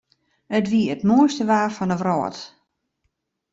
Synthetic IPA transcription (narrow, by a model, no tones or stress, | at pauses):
ətʋiəətmoəstəʋaːrfɔnəʋrɔ̰ːt